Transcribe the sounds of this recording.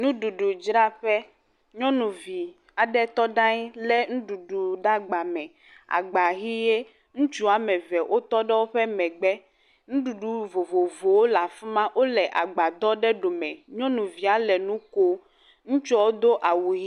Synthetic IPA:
nũ˦ɖu˨ɖu˨d͡ʒɾa˦ɸɛ˦ | ɲɔ̃˦nũ˨vi˨ | a˨ɖɛ˦t̪ɔ˦ɖa˦ɲi˦lɛ˦ŋũ˦ɖu˨ɖu˨ɖa˦ɡ͡ba˨mɛ̃˨ | a̰˨ɡ͡ba˨ɦi˦je˦ | ŋũ˦t͡ʃu˦a˨mɛ̃˨vɛ˨ʔo˦t̪ɔ˦ɖɛ˦wo˦ɸɛ˦mɛ̃˨ɡ͡bɛ˦ | ŋũ˦ɖu˨ɖu˨vo˨vo˨vo˨wo˦la˨fi˦mã˦wʔo˦lɛ˨ʔa˨ɡ͡ba˨d̪ɔ˦ɖɛ˦ɖo˨mɛ̃˨ɲɔ̃˦nũ˨vi˨a˨lɛ˨nũ˦ko˦ | ŋũ˦t͡ʃɔ˦wo˦d̪o˦ʔa˨wu˨ɦi˦

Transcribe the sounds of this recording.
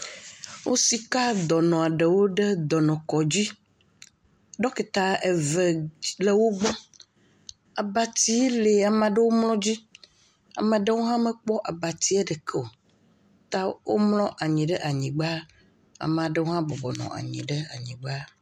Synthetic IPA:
wo˦si˨ka˦d̪ɔ˨nɔ̃˨a˨ɖe˨wo˦ɖe˦d̪ɔ˨nɔ̃˨kɔ˨d͡ʑi˦ | ɖɔ˦ke˨t̪a˨e˨ve˨le˨wo˦ɡ͡bɔ˦ | a˨ba˨t̪i˦le˨a˨mã˨ɖe˦wo˦mlɔ̃˦d͡ʑi˦ | a̰˨mẽ˨ɖe˦wo˦ɦã˦me˨k͡pɔ˦ʔa˨ba˨t̪i˦ɛ˦ɖɛ˨kʰɛ˦o˨ | t̪a˦wo̰˦mlɔ̃˦ʔa˨ɲĩ˨ɖɛ˦ʔa˨ɲĩ˨ɡ͡ba˦ | a̰˨mã˨ɖe˦wo˦ɦã˦bɔ˨bɔ˨nɔ̰̃˨ʔa̰˨ɲḭ̃˨ɖe˦a̰˨ɲĩ˨ɡ͡ba˦

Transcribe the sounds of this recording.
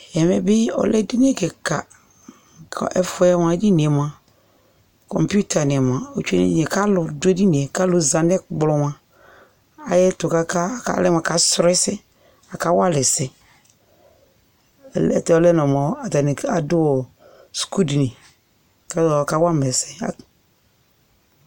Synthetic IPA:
jɛ˨mɛ˨bɪ˦ɔ̰˨lɛ˦di˦n˦ɛ˦˨kɛ˨ka˨ | kʰʔɛ˦fɛ˦ɛ˦m˨a˨˦di˦ni˨ɛ˨m˨a˨ | kɔ̰˨mpu˦tʰa˨nɪ˨m˨a˨o˦t͡ʃḛ˦nḭ˨ɲɛ˨ka˦lʊ˨dʊ˦e˦di˦ni˨ɛ˨ka˦lʊ˨za˨n˦ɛ˦ɡ͡blɔ˨m˨a˨ | a˨jɛ˦tʊ˨ka˦ka˦ka̰˦˨˦lɛ˦m˨a˨ka˨sɾɛ˦sɪ˦ | a˨ka˦wa˦lɪ˨sɪ˨ | lɛ˦tɛ˦ɔ˦lɛ˦nɔ˨mɔ˨˦a˨ta˨nɪ˨a˨dʊ˦wɔ˨ | sku˦dnɪ˨ | ka˦˨ka˦wa˦mɛ˨sɛ˨a̰˨

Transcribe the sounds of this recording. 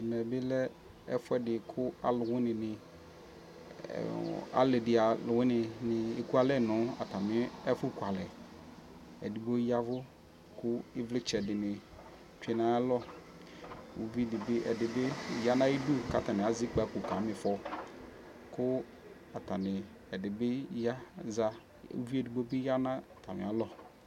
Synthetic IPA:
i˨nɛ˨bɪ˦lɛ˦ | ɛ̰˦fʊ˦ɛ˦dɪ˨kʰʊ˦a̰˨lʊ˨ŋʊ̃˦nɪ̃˨nɪ̃˨ | a̰˨le˨dɪ˨a˨lʊ˨wɪ̃˦nɪ̃˨nɪ̃˨e˨ku˦a˦lɛ˦˨nʊ̃˨˦a̰˨t̪a˨mɪ̃˦ɛ˦fʊ˦kʷa˨lɛ˨ | ɛ̰˨di˨bo˦ja˦vʊ˦ | kʊ˦ɪ˦vlɪ˦t͡ʃɛ˨dɪ˨nɪ̃˨ | t͡ʃᶣu˦ɛ˨nã˦a˦lɔ˦ | wṵ˨vi˦dɪ˨bɪ˦ʔɛ̰˨dɪ˨bɪ˦ja˦nã˦ji˦du˦˨ka̰˨ta˨nɪ̃˨a˨zi˦k͡pa˨˦kʊ˨ka˨˦mɪ˨fɔ˦ | kʊ˦ | a˨ta˨nɪ˨ | ɛ˨dɪ˨bɪ˦ja˦za˦ | ṵ˦vi˦e˨du˨ɡ͡bo˦bɪ˦ja˦nã˦˨ta˨mɪ̰˨a˨lɔ˦

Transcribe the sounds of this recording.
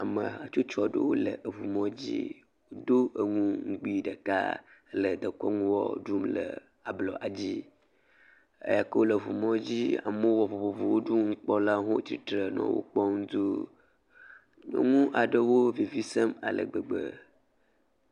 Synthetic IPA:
a˨mə˨a˨t͡ʃu˦t͡ʃɔ˨ɖə˦wo˦lə̰˨ʔə˨vu˨mɔ̃˦d͡ʑḭ˦ | wo˦d̪o˦ʔə˨ŋũ˦ŋ̩˦ɡ͡bi˦ɖə˨ka̰˦lə˨d̪ə˨kɔ˦ŋũ˦wɔ̰˦ɖu˦mlə̰˨ | a˨blɔ˨ʔa˨d͡ʑi˦ | ə̰˦ja˨kə˦wo˦lə˨vu˨mɔ̃˦d͡ʑi˦a̰˨mə˦wɔ˨vo˨vo˨vo˨wo˦ɖu˦ŋ̩˦k͡pɔ˦la˦ɦo˦t͡ɕi˦t̪ɾə˨nɔ̰̃˦wo̰˦k͡pɔ˦ŋũ˦d̪u˦˨ | ŋũ˦ʔa˨ɖə˨wo˦vi˨vi˦sə˦ma̰˨lə̰˨ɡ͡bə˨ɡ͡bə̰˨

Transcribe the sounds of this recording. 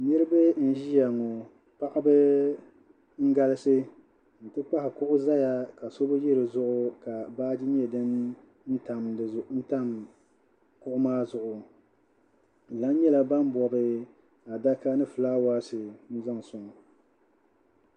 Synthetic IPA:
nɨ˦ɾɨ˦bɨ˦n̩˦ʒi˦ja˨ŋo˨ | pa˦ʔa˦bɨ˦ | ŋ̩˦ɡa˦lɨ˦sɨ˦ | n̩˨tɨ˦k͡pa˦hɪ˨kʊ˦ʔʊ˦za˦ja˦ka˨so˦bɨ˦ji˦ɾɨ˨zʊ˦ʔʊ˦ka˨baː˦d͡ʒi˦ɲ˦ɛ˨dɨ˦n | n̩˦ta˨mdɨ˨n̩˦ta˦m | kʊ˦ʔʊ˦maː˦zʊ˨ʔʊ˨ | la˨˦n˦ɲɛ˦la˨ba˦m˦bɔ˨bɨ˦ | a˨da˦ka˦nɨ˦fɨ˨laː˦waː˦sɨ˨n̩˦za˦˨ŋ˨sʊ˨ŋɔ˨

